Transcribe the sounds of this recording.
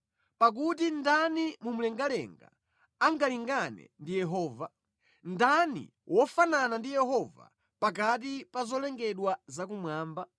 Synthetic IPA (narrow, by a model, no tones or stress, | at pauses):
pak̬ut̬indanimumulɛŋɡalɛ̰ŋɡa̰ | aŋɡaliŋɡanɛ̰ndijɛɦɔːva | ndanḭ | wʔɔfananandijɛɦɔva̰ | pak̬at̬ipazɔlɛŋɡɛɗwazak̬umwaːmba